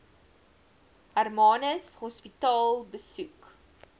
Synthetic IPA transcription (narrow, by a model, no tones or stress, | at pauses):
ɐrmɑːnəshɔspitɑːlˠbəsuk